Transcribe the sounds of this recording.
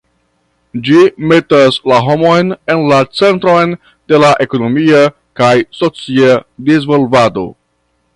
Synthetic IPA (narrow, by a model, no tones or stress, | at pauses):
d͡ʒimetaslaɦo̞mo̞jne̞nlat͡se̞ntɾo̞jn | d̥e̞laʔe̞ko̞no̞mia | kajso̞t͡siadizvolvado̞̰